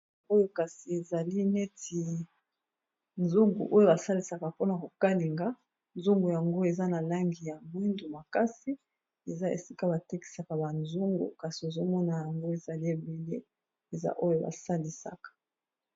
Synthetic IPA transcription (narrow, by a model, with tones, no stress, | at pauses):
o˦jo˦ka˨si˨e˨za˨li˦ne˦ti˨ | nzu˦ŋɡṵ˨ʔo˦jo˦ba˨sa˦li˨sa˨ka˨po˦na˨ko˨ka˦li˨ŋɡa˦ | nzu˦ŋɡu˨ja˨ŋɡo˦e˨za˦na˨la˦ŋɡi˨ja˨mwi˦ndo˨ma˨ka˦si˦ | e˨za˦ḛ˨si˦ka˦ba˨te˦ki̥˨sa˨ka˨ba˨nzu˦ŋɡṵ˨ka˨si˨e˨zo˦mɔ˦na˨ja˨ŋɡo˦e˨za˨li˦e˨be˨lḛ˦ | e˨za̰˦ʔo˦jo˦ba̰˨sa˦li˨sa̰˨kḁ˨